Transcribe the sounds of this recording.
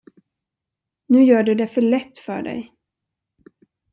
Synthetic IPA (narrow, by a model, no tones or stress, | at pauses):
nʉ̟ːjœːɖɵd̪ɛfœɭɛt̪ːfœ̰ːɖɛ̰j